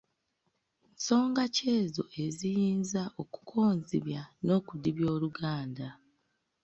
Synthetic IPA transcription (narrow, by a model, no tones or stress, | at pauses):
so̞ːŋɡace̞ːzo̞̰ʔe̞zijiːnzaʔoku̥kʰo̞ːnziβjano̞ːkudiβjoːluɡaːnda